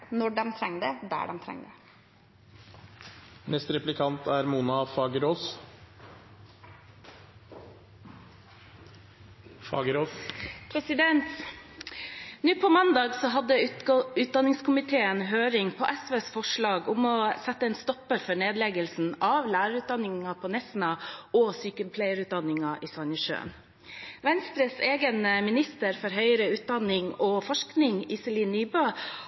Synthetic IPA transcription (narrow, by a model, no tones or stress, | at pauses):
nɔɖɛmt̪ʰɾɛŋːd̪ɛd̪æ̰ːɖɛmt̪ʰɾɛ̰ŋːd̪ɛ | nɛst̪ɾɛplɪkʰɑnt̪ʰæɾmuːnɑfɑːɡəɾoːs | fɑ̰ːɡɾoːpʰɾɛsɪd̪ɛnt̪ | nʉːpʰɔmɑnd̪ɑːɡsɔɦɑd̪əʉːt̪̚d̪ɑnːɪŋskʰʊmɪt̪ʰeːənɦøːɾɪŋpʰɔʔɛsʋeːsfɔʂɭɑːɡʊmɔsɛt̪ːəɛːnst̪ɔpːəɾfɔɳeːd̪lɛɡəlsn̩ɑʋlæːɾəɾʉːt̪̚d̪ɑnːɪŋɑpʰɔnɛsnɑɔsyːkəmpʰlɛɪəɾʉːt̪̚d̪ɑnːɪŋɑʔiːsɑnəʃø̰ːn | ʋɛnst̪ɾəseːɡənmɪnɪst̪əɾfɔɾɦœʏəɾəʉːt̪̚d̪ɑnɪŋɔfɔʂknɪŋɪsɛliːnːyːbøː